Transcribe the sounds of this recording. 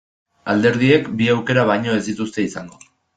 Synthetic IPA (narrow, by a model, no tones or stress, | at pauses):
ald̪e̞ɾðie̞kbiawke̞ɾaβ̞ajɲo̞e̞zd̪it̪ust̪e̞isaŋɡo̞